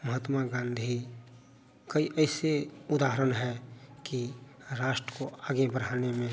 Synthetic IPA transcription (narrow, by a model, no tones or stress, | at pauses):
məɦət̪maɡãːnd̪ʱi | kəiʔɛːseʊd̪aːɦəɾənɦɛki | ɾaːʃʈɾəkoaːɡebəɽ̤aːnemẽ